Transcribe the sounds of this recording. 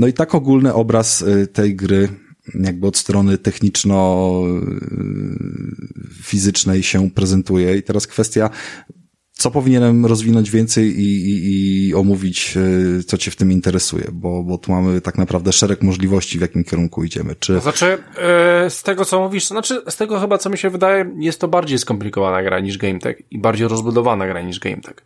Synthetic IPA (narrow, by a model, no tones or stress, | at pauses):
nɔit̪akɔɡulnɘʔɔbɾast̪ɛjɡɾɘ | jaɡ̚bɘɔt̪st̪ɾɔnɘt̪ɛxɲit͡ʂnɔ | fʲizɘt͡ʂnɛjɕɛpɾɛzɛnt̪ujɛit̪ɛɾaskfɛst̪ʲja | t̪sɔpɔvʲiɲɛnɛmɾɔzvʲinɔɲd͡ʑvʲɛnt̪sɛjiːɔmuvʲit͡ɕt̪sɔt͡ɕɛft̪ɘmint̪ɛɾɛsṵjɛ̰bɔbɔt̪umamɘt̪aknapɾavd̪ɛʂɛɾɛkmɔʐlʲivɔɕt͡ɕivʲjakʲimkʲɛɾuŋkuid͡ʑɛ̰mɘ̰t͡ʂɘznat͡ʂɘ | st̪ɛɡɔt̪sɔmuvʲiʂt̪znat͡ʂɘst̪ɛɡɔxɘbat̪sɔmʲiɕɛvɘd̪ajɛjɛst̪ːɔbaɾd͡ʑejskɔmplʲikɔvanaɡɾa̰ɲiʐɡɛjmt̪ɛ̰kibaɾd͡ʑejɾɔzbud̪ɔvanaɡɾaɲiʐɡɛ̰jmt̪ʰɛ̥k